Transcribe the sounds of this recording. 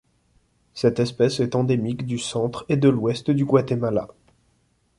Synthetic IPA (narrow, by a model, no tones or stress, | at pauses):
sɛt̪ɛspɛsɛt̪ɑ̃d̪emikd̪ysɑ̃t̪χed̪əlwɛst̪d̪yɡwat̪emala̰